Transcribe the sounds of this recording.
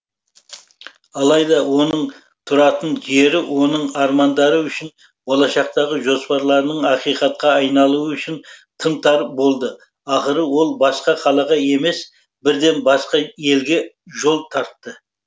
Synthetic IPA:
ɑlˠɑjd̪ɑwo̞nəɴ | t̪ʰʊɾɑt̪ənʒe̞ɾɪwo̞nəɴɑɾmɑnd̪ɑɾəʏʃɪn | bolˠɑʃɑq̚t̪ɑʁəʒo̞spɑɾlˠɑɾnəɴɑqijqɑt̪̚qɑɑjnɑlˠuəʏʃɪnt̪ʰənt̪ʰɑɾbo̞lˠd̪ə | ɑχəɾəwo̞lˠbɑsqɑqʰɑlˠɑʁɑe̞me̞s | bɪɾd̪e̞nbɑsqɑje̞lɡʲe̞ | ʒo̞lˠt̪ʰɑɾt̪ːə

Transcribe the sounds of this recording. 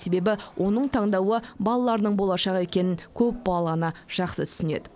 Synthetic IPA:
se̞be̞bɪwʔo̞nəɴt̪ʰɑɴd̪ɑwəbɑlˠɑlˠɑɾnəɴbo̞lˠɑʃɑʁe̞kʲe̞nɪŋkʲʰɵp̚bɑlˠɑnəʒ̥ɑqsə̰t̪ʰʏ̥sɪne̞̰d̪ɪ

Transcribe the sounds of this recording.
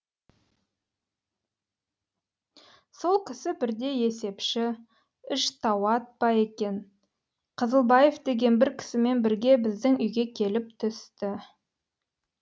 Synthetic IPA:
so̞lˠkʲʰɪsɪbɪɾd̪e̞je̞se̞pʃɪ | ʏʃt̪ʰɑwɑt̪̚pɑje̞kʲe̞n | qʰəzəlˠbɑje̞fd̪e̞ɡʲe̞nbɪɾkʲʰɪ̥sɪme̞nbɪɾɡʲe̞bɪzd̪ɪŋʏjɡʲe̞kʲʰe̞lɪp̚t̪ʰʏst̪ɪ

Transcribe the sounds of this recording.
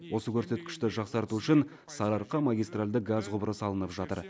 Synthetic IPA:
wʔo̞səkʲʰɵɾse̞t̪kʲɪ̥ʃt̪ɪʒɑqsɑɾt̪uʏʃɪn | sɑɾɑɾqɑmaɡʲijst̪ralʲd̪əɡazqʰʊbəɾəsɑlˠənəpʒɑt̪ə̰ɾ

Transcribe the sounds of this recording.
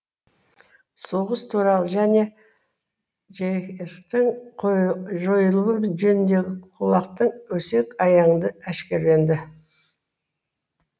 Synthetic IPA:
soʁəst̪ʰuɾɑlˠəʒæne̞ | ʒekt̪ɪɴ | ʒo̞jəlˠəwəʒɵnɪnd̪e̞ɡʲɪqʰulˠɑqt̪əɴwɵse̞kɑjɑɴd̪əæʃkʲe̞ɾle̞nd̪ɪ

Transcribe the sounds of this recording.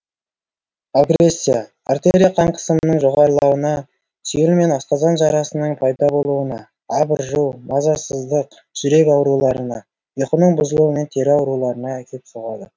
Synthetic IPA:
aɡre̞sʲːija | art̪eɾʲijqʰɑɴqʰə̥səmənəɴʒo̞ʁɑɾlˠɑwənɑ | sʏjɪlme̞nɑst̪ɑzɑnʒɑɾɑsənəɴpʰɑjd̪ɑbo̞lˠuwənɑ | ɑbəɾʒəwmɑzɑsəzd̪əq | ʒ̥ʏɾe̞kʲɑwɾulˠɑɾənɑ̰ | jeqənəɴbʊzəlˠuwəme̞nt̪ʰe̞ɾɪɑwɾulˠɑɾənɑækʲʰe̞p̪soʁɑd̪ə

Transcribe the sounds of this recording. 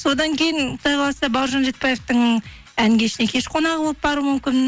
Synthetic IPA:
so̞d̪ɑŋkʲe̞jɪnqʰʊ̥t̪ɑjqʰɑlˠɑsɑbɑwɾʒɑnʒe̞t̪̚bɑje̞ft̪əɴ | æŋɡʲe̞ʃɪne̞kʲʰe̞ʃqʰo̞nɑʁəbo̞lˠəp̚bɑɾumʏmkʲɪn

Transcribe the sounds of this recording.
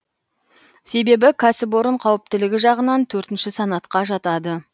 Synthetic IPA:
se̞be̞bɪkʲʰæsɪp̬woɾəɴqʰɑwɪp̚t̪ɪlɪɡʲɪʒɑʁənɑnt̪ʰɵɾt̪ɪnʃɪsɑnɑt̪qɑʒɑt̪ɑd̪ə

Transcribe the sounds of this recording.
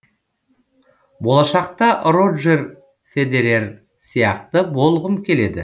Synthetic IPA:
bo̞lˠɑʃɑq̚t̪ɑro̞dʒe̞r | fe̞d̪e̞ɾe̞r | sijɑqt̪əbo̞lˠʁəmkʲʰe̞le̞d̪ɪ

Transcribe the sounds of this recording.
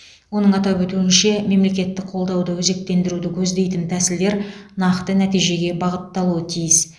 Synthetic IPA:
wo̞nəɴɑt̪ɑpwɵt̪uɪnʃe̞me̞mle̞kʲe̞t̪ːɪkqʰo̞lˠd̪ɑwd̪əwɵze̞k̚t̪e̞nd̪ɪɾud̪ɪkʲʰɵzd̪e̞jt̪ɪmt̪ʰæsɪld̪e̞ɾnɑqt̪ənæt̪ijʒe̞ɡʲe̞bɑʁət̪ːɑlˠuət̪ʰijɪs

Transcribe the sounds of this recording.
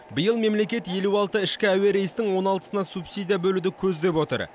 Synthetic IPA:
bəjəlˠme̞mle̞kʲe̞t̪je̞luɑlˠt̪əɪʃkʲɪæwe̞ɾe̞jɪst̪ɪŋwo̞nɑlˠt̪ə̥sənɑsupsijd̪ʲijabɵlud̪ɪkʲʰɵzd̪e̞pwo̞t̪ə̰ɾ

